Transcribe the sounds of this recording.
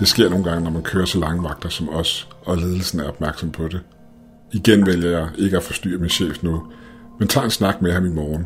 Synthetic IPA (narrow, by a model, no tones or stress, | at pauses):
d̥e̝sɡ̥e̝ɐ̰no̝ːn̩ɡ̥ɑ̈ŋənɒmænkʰøːɐsɒ̽lɑ̈ŋəʋɑ̈ɡ̥̚d̥ɐsɒ̽mɒ̽sɒ̽le̝ːð̞ˠl̩sn̩æɐɒ̽b̥mæɐɡ̥sɒ̽mpʰɒ̽d̥e̝ | iɡ̥enʋel̰jɐjɑ̈ɪʔe̝ɡ̥əæfɒ̽sd̥y̰ːɐminɕḛːfnoð̩ˠment͡sʰɑ̰̈ːe̝nsnɑ̈ɡ̥̚mehɑmimɒːn